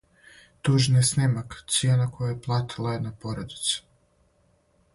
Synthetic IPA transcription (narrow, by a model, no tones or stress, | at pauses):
t̪uʒnjesnemakt̪sjeːnakʰojajeplˠat̪ʰilˠajenapoɾod̪i̥t̪su̥